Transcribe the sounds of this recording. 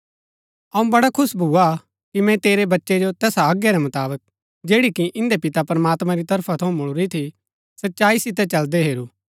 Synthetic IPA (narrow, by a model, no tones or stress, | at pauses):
ɐũbɐɽakʰʊsbʱuːa | kimɛ̃t̪eːɾebɐtːʃed͡ʒot̪ɛːsaaːɡjeɾɛmɐt̪aːbək̚ | d͡ʒeːɽikiʔɪ̃nd̪epɪt̪apɐɾmaːt̪mãɾit̪ɐɾpʰat̪ʰɐũmʊɭɾit̪ʰi | sɐtːʃaːisɪt̪̬ɛt͡ʃɐld̪eɦeːɾuː